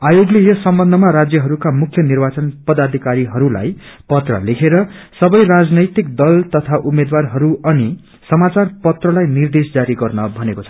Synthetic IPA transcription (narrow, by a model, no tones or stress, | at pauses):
ajoɡlejʌsʌmbʌnd̪ʱʌmaɾad͡zjʌɦʌɾukamukʰjʌnirbat͡sʌnpʌd̪ad̪ʱikaɾiɦʌɾula̰jpʌt̪rʌ̰lekʰeɾʌsʌbʌjrad͡znʌjt̪ik̚d̪ʌlt̪ʌt̪ʰaʔumed̪warɦʌɾuʌni | sʌmat͡sarpʌt̪rʌlajnird̪esd͡zaɾiɡʌrnʌbʱʌnekot͡sʰʌ̥